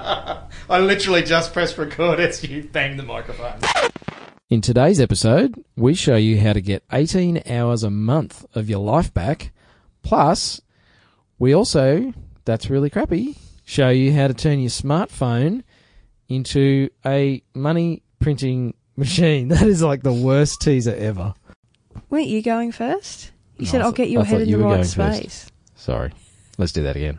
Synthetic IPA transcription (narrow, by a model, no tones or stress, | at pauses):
aɪlɪɾə˞l̩ˠid͡ʒʌspʰɹ̥ɛsɹɨkʰɔɹɾɨz̥jɨbæ̃ŋðɨma̰ɪkɹəfõʊ̃n | ɨ̃ntʰɨdeɪzɛpɨsoʊd̚wiʃoʊjɨɦaʊɾɨɡɛɾʔḛɪɾĩna̰ʊə˞zəmʌ̃nθʌvjə˞laɪfb̥æk | pʰl̥ʌs | wiɔlˠsoʊðætsɹɪlˠikʰɹ̥æpiʃoʊjɨɦaʊɾɨtʰɜ̃˞njə˞smɑɹtfõʊ̃n | ɪ̃ntʰʉɨmʌñipʰɹ̥ɪ̃ntɪ̃ŋ | mɨʃĩnðɨɾɨzlaɪk̚ðəwɜ˞stʰizəʔɛvə˞ | wɜ˞nt͡ʃəɡoʊɪ̃ŋfɜ˞st̚ | jɨsɛɾaɪlɡɛt͡ʃəɦɛɾnɨwə˞ɡoʊɪ̃ŋsfpɜ˞esɪs | sɑ̰ɹḭ | lətsd̥ɨðɨ̰ɾɨ̰ɡɛ̰̃n